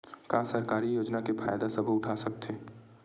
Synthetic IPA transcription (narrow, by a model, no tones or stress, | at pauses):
kaːsɐɾkaːɾijoːd͡ʒnakepʰa̰ːjd̪asɐbʱʊʈʰaːsɐk̚t̪ʰeː